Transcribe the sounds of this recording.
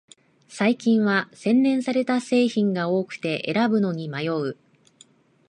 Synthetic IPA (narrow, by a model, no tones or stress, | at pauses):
saikʲĩɰ̃βasẽ̞nːẽ̞ɰ̃saɾe̞t̪ase̞ːçĩŋɡao̞ːkɯ̟̥t̪e̞ʔe̞̰ɾabɯ̟no̞ɲ̟imajo̞ɯ̟